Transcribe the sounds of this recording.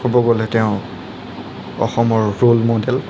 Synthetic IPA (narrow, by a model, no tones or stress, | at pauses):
ɔbɔɡolɛtɛʊ̃ | ɔ̰xɔmɔɹɹolmodɛl